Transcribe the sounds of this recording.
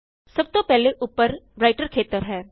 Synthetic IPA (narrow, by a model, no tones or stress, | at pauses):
sɐb̚t̪opɛɦleʔʊpːəɾɾaːɪʈəɾkʰeːt̪əɾɦɛː